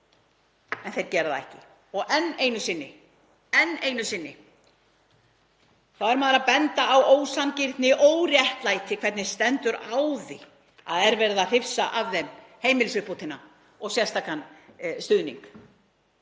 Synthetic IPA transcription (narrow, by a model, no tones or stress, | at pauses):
ɛnθejɾ̥cɛːɾaðaɛ̰hcɪ | ɔɣʔɛnːeːjnʏsɪnːɪ | ɛnːeːjnʏsɪnːɪ | θawɛɾmaːðɾapɛnt̪aawoːwsancɪɾt̪nɪʔoːwrjɛht̪lajt̪ʰɪkʰv̥ɛɾt̪nɪ̥st̪ɛnt̪ʏɾawðɪ | a̰ðɛɾvɛːɾɪðar̥ɪfsaʔavðɛmheːjmɪlɪsʏhput̪ʰɪna | ɔɣsjɛst̪aːkanst̪ʏðnḭŋk